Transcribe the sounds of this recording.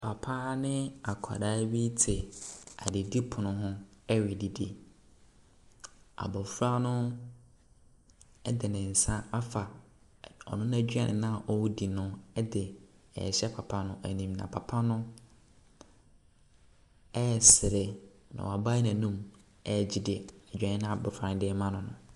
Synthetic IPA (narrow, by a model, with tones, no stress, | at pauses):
pʰa˨pʰa˦nɪ̃˦a˨kʷʰa̰˨daː˦bi˦tʰɪ˨a̰˨dɪ˨di˦pʰʊ˨nʊ̃˦ɦʊ̃˦ɛ˦ɥi˨di˨di˦ | a̰˨bɔ˨fu˦ɾa˦nʊ̃˦ | ɛ˦dɪ˨nɪ̃˨n̩˨sã˦a˦fa˨ | ɔ̰˨nʊ̃˦ñ˦æ˦˨d͡ʑᶣɥa˨nʔɪ̰̃˨nã˦˨ʔɔ˦wʊ˦di˨nʊ̃˦ɛ˦dɪ˨ɛ̰˨ɕɛ˦pʰa˨pʰã˦nʊ̃˦ʔæ˨nĩ˨m˨nã̰˨pʰa˨pʰa˦nʊ̃˦ | ɛ˦˨sɪ˨ɾe˨ | nã̰˨a˨ba˦nã˨nũ˦m | ɛ˦˨d͡ʑi˦dɪ˨ɛ˨a˨d͡ʑᶣã˨nɪ̃˦nã˦a˨bɔ˨fa˨ɪ̃˨˦dɪ˦ɛ˦mã˦nʊ̃˨nʊ̰̃˨